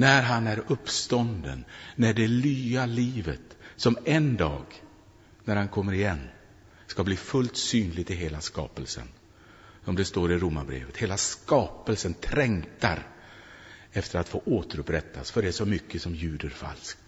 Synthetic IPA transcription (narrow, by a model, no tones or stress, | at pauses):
næɾɦanæɾɵpːst̪ɔnd̪ə̰nːæɖɛlyːaliːvət̪sɔmɛnd̪ɑːɡ | næɾhankʰɔmːəɾɪjɛnː | skabliːfɵlt̪syːnlɪɡ̚t̪ɪɦeːlaskɑ̰ːpəlsə̰n | sɔmd̪ɛst̪oːɾɪɾʊmːaɾbɾḛːvət̪heːlaskɑːpəlsənt̪ʰɾɛŋt̪a̰ɾ | ɛft̪ʰəɾat̪foːʔoːt̪əɾɵpɾɛt̪ʰːasfœɖɛæʂsɔmʏkːəsɔmjʉ̟ːd̪əɾfa̰lsk̚t̪